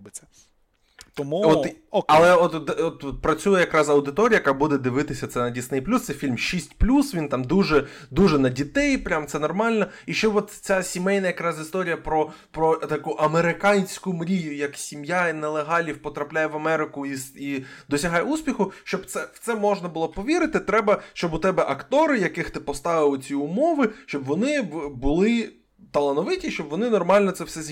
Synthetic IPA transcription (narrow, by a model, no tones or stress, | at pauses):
bɪɛ | t̪mɔɐlˠɛɔt̪d̪ɛɔt̪ɔt̪̚pɾɐt͡sʲujɛjɐkɾɑzɐwd̪ɪt̪ɔɾʲijɐkɑbud̪ɛd̪ɪʋɪt̪ɪsʲɐt̪sɛnɐdʲisnɪjplʲust̪sɛfʲilʲmʃisʲtʲplʲusʋʲint̪ɑmd̪uʒɛ | d̪uʒɛnɐdʲit̪ɛjpɾʲamt̪sɛnɔrmɑlʲnɔiʃt͡ʃɔɔt̪t͡sʲasʲimɛjnɐjɐkɾɑzist̪ɔɾʲijɐpɾɔ | pɾɔt̪ɐkuʔɐmeɾɪkɑnʲsʲkʊmɾʲijʊjɐksʲimjainɛlˠeɦɑlʲiwpɔt̪ɾɐplʲajɛʋɐmɛɾɪkʊisid̪ɔsʲɐɦɑjɛuspʲixʊʃt͡ʃɔbt̪sɛw̥t̪sɛmɔʒnɐbʊlˠɔpɔʋʲiɾɪt̪ɪt̪ɾɛbɐʃt͡ʃɔbʊt̪ɛbɛʔɐkt̪ɔɾɪjɐkɪxt̪ɪpɔst̪ɑʋɪlˠɪt͡sʲiʊmɔʋɪʃt͡ʃɔbʋɔnɪbʊlˠɪ | t̪ɐlˠɐnɔʋɪtʲiʃt͡ʃɔbʋɔnɪnɔrmɑlʲnɔt̪sɛwsɛz